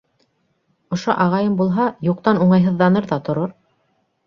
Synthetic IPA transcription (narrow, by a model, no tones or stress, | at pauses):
ŏʃoʔɑʁɑjɤmbulˠɦɑjuq̚t̪ɑnuɴɑjɦɤ̆ðːɑnɤɾðɑt̪ŏɾoɾ